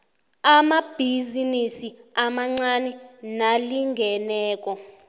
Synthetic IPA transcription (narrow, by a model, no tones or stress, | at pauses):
amab̥ʱizinisiamaŋ͡ǀanɛnaliŋɡʱɛnɛːk̬ʼɔ